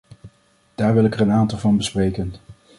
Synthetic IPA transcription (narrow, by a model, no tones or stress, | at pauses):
d̥aːɹʋɪlˠɪkərənaːntɑlˠvɑnbəsprejkən